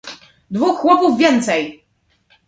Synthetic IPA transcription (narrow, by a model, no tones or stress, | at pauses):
d̪vuxːwɔpuvvʲjɛnt̪sɛj